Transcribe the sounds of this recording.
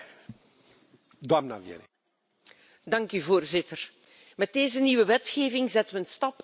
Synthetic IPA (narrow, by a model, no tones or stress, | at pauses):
d̪wamna̰vjḛɾ | dɑŋkyvoːrzɪtər | mɛt̚deːzəniʋəʋɛtxeːvɪŋzɛtəʋəənstɑp